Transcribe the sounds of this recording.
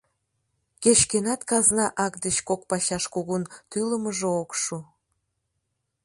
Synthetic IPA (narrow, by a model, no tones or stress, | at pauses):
ket͡ɕkenɑt̪kɑznɑʔɑkd̪ət͡ɕkokpɑɕɑʃkoɣunt̪yləməʒookʃu